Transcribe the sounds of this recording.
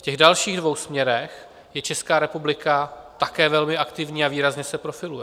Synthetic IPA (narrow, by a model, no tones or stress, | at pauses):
fcɛɣdalʃiːɣdvo̞wsmɲɛɾɛx | jɛt͡ʃɛskaːɾɛpublɪkat̪akɛːvɛlmɪʔakt̪ɪvɲiːaviːɾazɲɛsɛpɾo̞fɪlujɛ